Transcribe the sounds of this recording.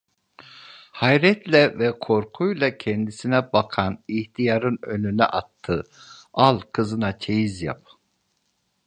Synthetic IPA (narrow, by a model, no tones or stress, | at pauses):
hajɾɛt̪ʰlɛvɛkʰo̞ɾkʰujlˠacʰɛnd̪isinɛbakʰaniht̪ʰijaɾɯnønynɛ̰ʔat̪ʰːɯalˠkʰɯzɯnat͡ʃʰejizja̰p̚